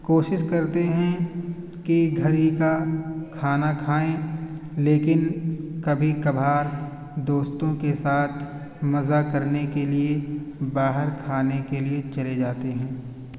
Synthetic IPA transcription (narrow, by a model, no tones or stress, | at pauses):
koːʃɪʃkɐɾt̪eɦɛ̃ | kiɡʱɐɾikakʰaːnakʰaːẽleːkɪnkɐbʱikɐbʱaːɾ | d̪oːst̪õkesaːt̪ʰ | mɐzakɐɾnekeliebaːɦəɾkʰaːnekeliet͡ʃɐled͡ʒaːt̪eɦɛ̃ː